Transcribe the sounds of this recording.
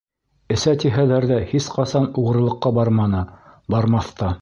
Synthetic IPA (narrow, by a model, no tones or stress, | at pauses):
ɘ̆sæt̪iɦælæɾðæhisqɑsɑnuʁɤ̆ɾlˠɤ̆qːɑbɑɾmɑnɤbɑɾmɑθt̪ɑ